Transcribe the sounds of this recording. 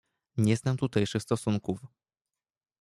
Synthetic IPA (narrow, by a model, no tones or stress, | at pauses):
ɲɛznamt̪ut̪ɛjʂɘxst̪ɔsuŋkuf